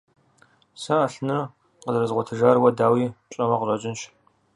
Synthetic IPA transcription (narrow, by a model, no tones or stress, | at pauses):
sɐaɬnɨr | qəzrɨzʁʷɔtʰɨʒaːrwɐdaːwiːt͡ʃʼɐmɐqərʷʼɐt͡ʃʼɪnʃ